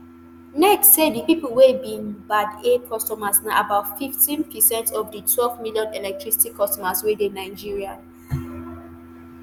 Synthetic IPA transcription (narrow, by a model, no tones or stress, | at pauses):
nɛkssedipipəlwebĩnbadekʰɔstɔmasnaʔabaʊtfiftĩnpʰisɛ̃ntʰɔfditʰwɛlvmiljɔ̃nɛlɛk̚tʰɹisi̥tikʰːɔstɔmaswedenaɪd͡ʒiɹia